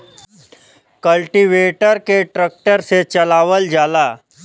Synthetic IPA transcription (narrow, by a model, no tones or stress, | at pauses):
kəlʈiʋeʈəɾkeʈɾək̚ʈəɾset͡ɕəlaʋəld͡ʒala